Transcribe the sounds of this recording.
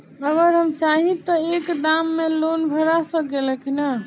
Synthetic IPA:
əɡəɾɦəmt͡ʃaɦĩt̪ɔekd̪amːelonbʱəɾasəkeləkina

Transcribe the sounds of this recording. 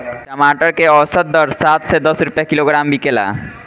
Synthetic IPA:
t͡ʃəmaʈəɾkeɔsət̪̚d̪əɾsat̪sɛd̪əsɾupjakiloɡɾambikela̰

